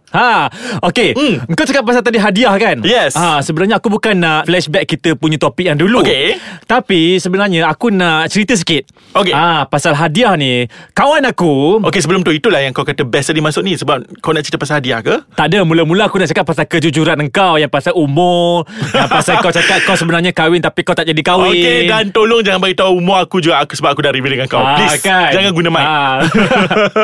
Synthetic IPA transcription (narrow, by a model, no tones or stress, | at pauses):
haokeəŋkawt͡ʃakat̪̚pasalt̪adiɦadiahkanjɛsasəbənaɾɲaakubukanaʔflɛʃbɛkːit̪əpuɲət̪opɪk̚jaŋduluket̪apisəbənarɲaakunaʔt͡ʃəɾit̪əs̬ə̥kɪt̪̚ | okeapasalɦadiahnikawanakuʔokesəbəlʊmt̪ʊhit̪ulahjaŋəkawkat̪əbjasədimasʊk̚nĩsəbap̚kawnaʔt͡ʃəɾit̪əpasalhadiahkət̪aʔdəmulamulaakunaʔt͡ʃakat̪̚pasalkəd͡ʒud͡ʒuɾanəŋkawjaŋpasalumɔjaŋpasalkawt͡ʃakat̪̚kawsəbənarɲakawɪnt̪apikawt̪aʔd͡ʒadikawɪedant̪olʊŋd͡ʒaŋanbaɡiʔt̪auumʊakud͡ʒuɡaku̥səbap̚akudaʔɾiwidəŋankawpliskad͡ʒaŋanɡunəmaa